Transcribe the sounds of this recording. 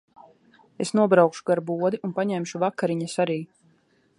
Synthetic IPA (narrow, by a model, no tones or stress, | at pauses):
esnuɔbɾawkʃu̥ɡaɾbuɔd̪iʔunpaɲɛmʃuvakaɾiɲasaɾiː